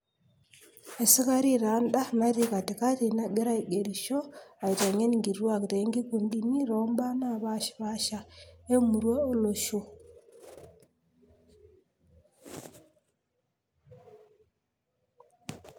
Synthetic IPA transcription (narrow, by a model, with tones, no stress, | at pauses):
e˨si˦ka˦ɾi˦ɾa˨˦nda˦na˦ɾi˦ka˨ti˨ka˦ti˨na˦ɡe˦ɾa˦i˨ɡe˨ɾi˨ʃo˦a˨i˨ta˨ŋe˦nŋɡi˨ɾwa˦˨kte˨˦ŋɡi˦ku˨ndi˦ni˦ɾo˦mba˦na˦˨βa˦ʃβa˦ʃa˦e˦mu˨ɾwe˦o˦lo˨ʃo˦